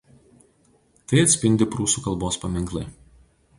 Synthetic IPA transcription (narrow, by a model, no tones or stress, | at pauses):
t̪ɐɪɐt̪ʲsʲpʲɪnʲd̪ʲɪpɾuːsuːkɐlˠboːspɐmʲɪŋˑklˠɐɪ